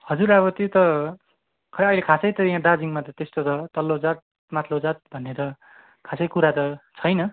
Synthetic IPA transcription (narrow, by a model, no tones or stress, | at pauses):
hʌd͡zuɾaβʌt̪it̪ʌ | kʰʌʌjlekʰasʌjt̪ʌjãd̪ad͡ziŋmat̪ʌt̪est̪otʰʌt̪ʌlːod͡zat̪̚ | mat̪ʰlod͡zat̪̚bʱʌnːet̪ʌ | kʰasʌjkuɾat̪ʌt͡sʰʌjnʌ